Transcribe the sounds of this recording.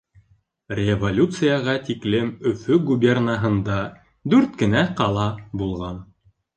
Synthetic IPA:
rʲevolʲut̪sɨjɑʁɑt̪iklɘmɵ̆fɵɡubʲernaɦɤ̆nd̪ɑ | d̪ʉɾt̪kɘ̆næqɑlˠɑbulˠʁɑn

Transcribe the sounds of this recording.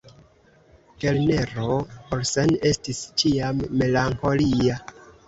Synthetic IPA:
kelne̞ɾo̞poɾsene̞stist͡ʃiamːe̞laŋko̞lia

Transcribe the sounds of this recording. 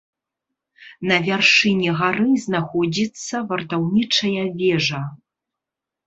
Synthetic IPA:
nɐvʲarʂɨnʲɛɣaɾɨznaxɔd͡zʲit̪sːɐvɐrt̪awnʲit͡ʂɐjɐvʲɛʐɐ

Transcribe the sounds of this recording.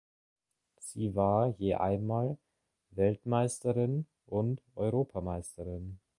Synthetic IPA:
z̥iːvaːɐjeːʔa̰ɪnmaːl | vɛltmaɪstəʁɪn | ʔʊntʔɔʏʁoːpʰamaɪstəʁɪn

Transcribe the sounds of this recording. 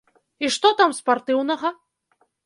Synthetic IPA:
iʂt̪ɔt̪amspart̪ɨwnɐɣɐ

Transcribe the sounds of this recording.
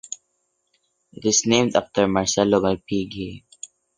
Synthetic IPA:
ɪtɪznẽːmda̰ftəɾmaɾsɛloməɾpiːɡe

